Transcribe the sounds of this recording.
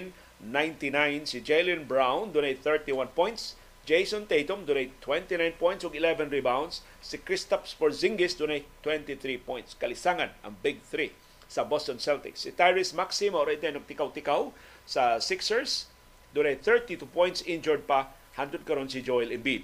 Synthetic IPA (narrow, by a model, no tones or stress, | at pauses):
n | nãjnt̪inãjnsid͡ʒejlɪ̃nbɹawnd̪onejt̪̚θɛɹt̪iwanpɔ̃j̃nt̪s | d͡ʒejsɔ̃nt̪ejt̪ɔmd̪onejt̪ʰːwɛ̃nt̪inãjnpɔjntsɔɡɪlɛvɛ̃nɹibãwnd̪sː | ikɹɪst̪apspɔɹzɪ̃ŋɡɪsd̪onejt̪ːwɛ̃nt̪iθɾipɔ̃j̃nt̪skɐlɪsaŋɐnɐ̰̃ŋbɪɡ̚θɾi | sɐbɔst̪ɔnsɛlt̪ɪ̰ksit̪ajɹɪsmaksimoɾɛd̪ɛnʊɡ̚t̪ɪkawt̪ɪkaw | sɐsɪksɛɹs | d̪onejt̪θɛɹt̪it̪upɔjnt̪sɪ̃nd͡ʒɔɹd̪̚pɐ | hand̪ʊd̪̚kɐɾonsid͡ʒɔjlɪnbid̪̚